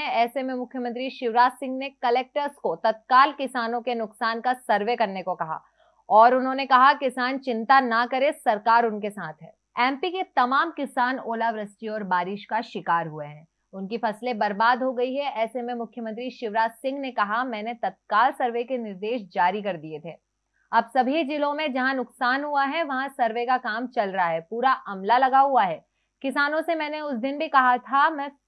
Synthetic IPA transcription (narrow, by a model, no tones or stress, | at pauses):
ɛ̃ɛːsemẽmʊkʰjəmə̃nt̪ɾiʃɪʋɾaːt̪sɪ̃ŋɡnekɐlɛːk̚ʈəɾskot̪ɐt̪̚kaːlkɪsaːnõkenʊksaːnkasɐɾʋekɐɾnekokɐɦa̰ː | ɔːɾʊnɦõːnekɐɦakɪsaːnt͡ʃɪ̃nt̪anɐkɐɾesɐɾkaːɾʊnkesaːt̪ʰɦɛː | ɛ̃ːmpiket̪ɐmaːmkɪsaːnoːlaʋɾɐst͡ʃiɔːɾbaːɾɪʃkaʃɪkaːɾɦueɦɛ̃ː | ʊnkifɐslebɐɾbaːd̪ɦoɡɐiɦɛʔɛːsemẽmʊkʰjəmə̃nt̪ɾiʃɪʋɾaːd͡ʒsɪ̃ŋɡnekɐɦamɛ̃ːnet̪ɐt̪̚kaːlsɐɾʋekenɪɾd̪eːʃd͡ʒaːɾikɐɾd̪iet̪ʰeː | ɐbsɐbʱid͡ʒɪlõmẽd͡ʒɐɦãnʊksaːnɦuaɦɛʋɐɦãsɐɾʋekakaːmt͡ʃɐlɾɐɦaɦɛpuːɾaʔɐmlalɐɡaɦuaɦɛː | kɪsaːnõsemɛ̃ːneʊsd̪ɪnbʱikɐɦat̪ʰamɛ̃ː